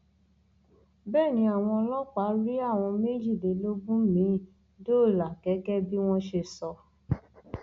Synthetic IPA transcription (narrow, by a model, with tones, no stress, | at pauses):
bɛː˦˨nĩ˨˧˦a˨w̃ɔ̃˧lɔ˦k͡pa˨˦ɾi˦a˦˨w̃ɔ̃˧me˦d͡ʒi˦˨de˨lo˦bũ˦mĩ˨˧˦ | do˦˨la˨kɛ˨˦ɡɛ˦bi˦w̃ɔ̃˦ʃe˧˨sɔ˧